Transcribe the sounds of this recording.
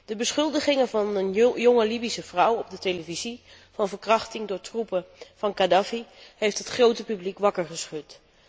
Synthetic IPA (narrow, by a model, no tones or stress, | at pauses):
d̥əbəsχɵlˠdəχɪŋəvɑnənjoŋəlibisəv̥rʌwɔb̚dəteləvizi | vɑnvəɹkrɑχtɪŋdʊːɹtrupəv̥ɑnkadafiɦejftɦətχrowtəpyblikʋɑkəɹχəsχɵt